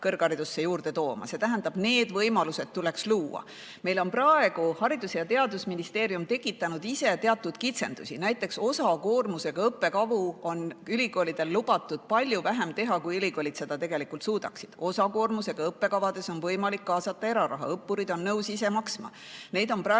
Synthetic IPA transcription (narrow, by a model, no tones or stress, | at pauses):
kɤrɡ̥ɑɾid̪̥usːejuːrd̪̥e̞t̪o̞ːmɑ̰se̞t̪æɦænd̪ɑb̥ne̞ːd̪̥vɤjmɑluse̞t̪̚t̪ule̞ksluːwɑ̰ | me̞jlo̞nprɑe̞ɡ̥uhɑɾid̪usejɑt̪e̞ɑd̪usminist̪e̞ːɾjumt̪e̞kːˑit̪ːˑɑnud̪̥ise̞t̪e̞ɑt̪ːˑud̪̥kit̪se̞nd̪̥ṵsʲinæjt̪ːˑe̞kso̞sɑko̞ːrmuse̞ɡ̥ɑɤpːe̞kɑvuo̞nylʲiɡo̞ːlid̪̥e̞lːub̥ɑt̪ːˑud̪̥̚pɑlʲjuvæɦe̞mt̪e̞ɦɑkujylʲiko̞ːlʲit̪se̞d̪̥ɑt̪e̞ɡ̥e̞likˑult̪suːd̪ɑksid̪̥o̞sɑko̞ːrmuse̞ɡ̥ɑɤpːe̞kɑvɑd̪e̞so̞nvɤjmɑlikːɑːsɑt̪ːˑɑe̞ɾɑɾɑ̰ɦɑ̰ɤpːuɾid̪o̞nːɤwsise̞mɑksmɑ̰ | ne̞ːd̪o̞nprɑ